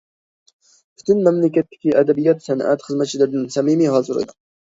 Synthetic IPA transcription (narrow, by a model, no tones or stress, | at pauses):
pʰy̥t̪ʰynmæmlɪkʲɛt̪ːɪ̥kʲiʔæd̪ɛbijɑt̪sænʔæ̰t̪χəzmæt̪̚t͡ʃʰilɪɾd̪ɪnsæmimiɦɑːzɨɾɨ̰d̪ʊ